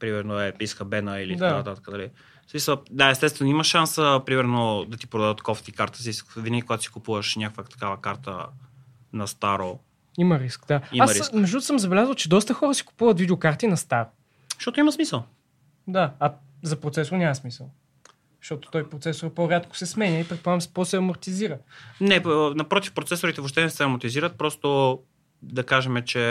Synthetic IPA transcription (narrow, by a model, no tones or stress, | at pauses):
pɾimɛɾnoɛiskəbɛnəilit̪d̪d̪kanɐt̪at̪ə̥kəd̪ɐli | fsmisəlˠd̪aɛst̪ɛst̪vɛniməʃʃːansəpɾimɛɾnod̪ɐt̪ipɾod̪ad̪ət̪kɔft̪ikaɾt̪ə̥siskvinəɡʲikoɡat̪ʊ̥si̥kupuvəʃnʲakkvət̪ɐ̥kavəkaɾt̪ə̰ | nɐst̪aɾo | iməɾiskd̪aiaməɾimɛʒd̪ut̪ʊ̥səmzɐbɛlʲazvəlˠt͡ʃɛd̪ɔst̪əxɔɾəsi̥ku̥puvət̪vid̪ɛokaɾt̪inɐst̪aɾ | ʃt̪ɔt̪ʊimɐsmisəlˠ | d̪aː | zɐpɾot̪sɛsʊɾnʲamɐsmisəlˠ | zʃt̪ɔt̪o̥t̪ɔjpɾot̪sɛsoɾɐpoɾʲat̪kʊ̥sɛsmɛnʲəipɾɛt̪poamspɔsɛɐmoɾt̪iziɾənɛnɐpɾɔt̪ifpɾot̪sɛsʊɾit̪ɛvoʃ̬t̪ɛnɛsɛɾɐmot̪iziɾət̪̚pɾɔst̪o | d̪ɐkaʒɛmɛt͡ʃɛ